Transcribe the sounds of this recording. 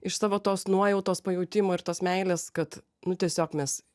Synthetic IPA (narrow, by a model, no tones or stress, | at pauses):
ɪʃsɑːʋoːt̪oːsnuɔjɛʊt̪oːspɐjɛʊt̪ʲɪmoːɪɾt̪oːsmʲɛɪlʲeːskɐt̪ | nʊt̪ʲiɛsʲoːkmʲɛs